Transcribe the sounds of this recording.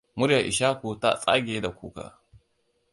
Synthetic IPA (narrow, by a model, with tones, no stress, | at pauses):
mʊ˦ɾja˨ʔɪ̰˨ʃaː˦kʷu˨ta̰˦sʼa̰ː˦ɡʲe˨˦da˨kʷṵː˦ka̰˨